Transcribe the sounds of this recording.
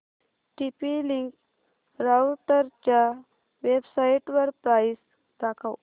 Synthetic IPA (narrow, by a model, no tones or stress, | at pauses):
ʈipiliŋk | ɾawʈəɾt͡ɕja | ʋebsaiʈʋəɾpɾajis | d̪akʰaw